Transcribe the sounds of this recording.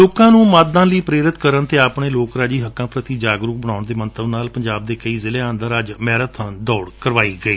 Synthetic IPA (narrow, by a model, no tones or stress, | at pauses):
loːkãːnũːmaːd̪ãːləiːpɾeːɾɪt̪kəɾəɳt̪eːaːpɳeːloːkɾaːd͡ʒiːɦəkːãːpɾət̪iːd͡ʒaːɡɾuk̚bəɽ̃aːʊɳd̪eːmə̃nt̪əbnaːlpəɲd͡ʒaːb̚d̪eːkəiːzɪleːãːnd̪əɾəd͡ʒmɛːɾət̪ʰãnd̪ɔːɽkəɾʋaːiːɡəiː